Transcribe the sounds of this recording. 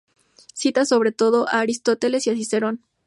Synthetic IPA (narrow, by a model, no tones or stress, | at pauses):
sit̪aso̞βɾe̞t̪o̞ðo̞ʔaːɾist̪o̞t̪e̞le̞sjasise̞ɾo̞n